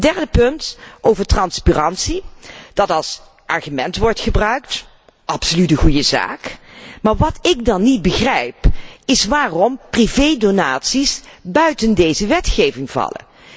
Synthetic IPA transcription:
dɛɹdəpɵntʔowvəɹtrɑnsparɑnsid̥ɑtɑlˠs | ʔɑɹχymɛntʋɔɹtχəbrœɥkt | ʔɑpsolytəχujəza̰ːkmaːɹʋɑtɪk̚dɑnːit̚bəχrɛjpɪsʋaːrɔmprivejdonaːtsisbœɥtəndejzəʋɛtχejvɪŋv̥ɑ̰lə̰n

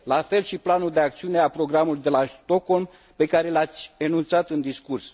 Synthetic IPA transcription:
lafe̞lʃiplanuld̪e̞ak̚t̪siune̞apɾo̞ɡɾamulujd̪e̞last̪o̞ko̞lm | pe̞kaɾe̞lat̪sʲenunt̪sat̪ɨnd̪iskurs

